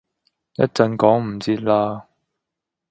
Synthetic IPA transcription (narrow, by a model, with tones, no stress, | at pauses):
jɐ̰˥t̚t͡sɐ˧nkɔː˨˥ŋm̩˨˩t͡siː˧˥t̚laː˧